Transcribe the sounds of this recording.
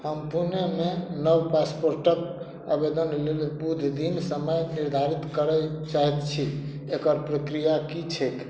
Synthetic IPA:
həmpunemenəwpaspoɾʈəb | abed̪ənlelbud̪ʱd̪insəməjniɾd̪ʱaɾit̪kəɾɛt͡ʃaɦɛt̪t͡ʃʰi | ekəɾpɾəkɾijakit͡ʃʰek

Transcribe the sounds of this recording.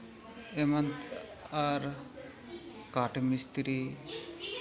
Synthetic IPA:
emant̪ | aɾ | kaʈmist̪ɾi

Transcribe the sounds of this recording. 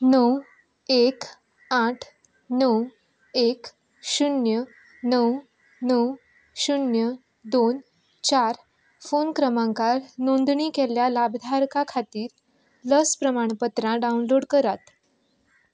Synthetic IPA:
nəw | ek | aʈʰ | nəw | ek | ɕunjə | nəw | nəw | ɕunjə | d̪on | t͡ɕaɾ | fonkɾəmãŋkaɾnond̪ɳiːkeljalabd̪ʱaɾkakʰat̪iːɾ | ləspɾəmaɳ̃pət̪ɾãɖaunloɽkəɾat̪

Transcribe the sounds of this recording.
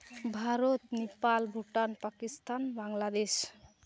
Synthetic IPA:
bʱaɾot̪nepalbʱuʈanpakist̪anbaŋlad̪eʃ

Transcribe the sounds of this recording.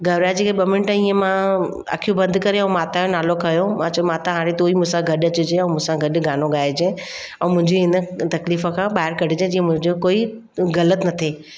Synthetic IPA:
ɡɐʋɾad͡ʑeːkʰeɓɐmɪnʈəĩːə̃mã | ɐ̰kʰijũbɐ̃nd̪kɐɾeɛ̃maːt̪ajõnaːlokʰɐjomãːt͡ɕʰɐmãːt̪ãɦãːɽet̪oːimũsãɡʱɐɗɐt͡ɕʊd͡ʑeɛ̃ːmũsãɡʱɐɗɡʱaːnoɠaːed͡ʑẽː | ɛ̃ːmʊ̃ɦɪ̃ɲd͡ʑeɦɪnə̆t̪ɐkliːfə̃kʰãːɓaːɦɪɾkɐɽɪd͡ʑẽd͡ʑiːə̃mʊ̃ɦɪ̃ɲd͡ʑokoːi | ɣɐlət̪nɐt̪ʰeː

